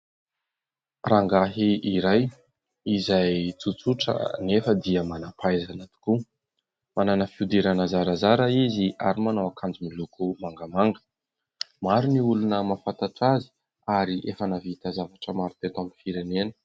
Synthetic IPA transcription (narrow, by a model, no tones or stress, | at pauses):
raŋɡaɦiiɾaj | izajt͡sut͡suʈ͡ʂə̰nefəd̪iəmanapajzanat̪i̥ku | mananəfiud̪eɾanazaɾazaɾəizia̰ɾimanawakʰand͡ʒimilukumaŋɡamaŋɡə | maɾiniulunəmafant̪aʈ͡ʂazi̥ | aɾiʔefanavit̪azavaʈ͡ʂəmaɾit̪et̪amifiɾenenə̥